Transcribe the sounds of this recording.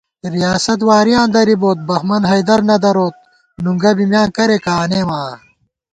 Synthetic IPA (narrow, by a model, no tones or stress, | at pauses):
ɾijaːsɐt̪̬waːɾijãːnd̪ɐɾiboːt̪̚bɐxmɐnɦɐjd̪ɐɾnɐd̪ɐɾoːt̪̚ | nuŋɡɐbimjãːkɐɾekaːneːmãː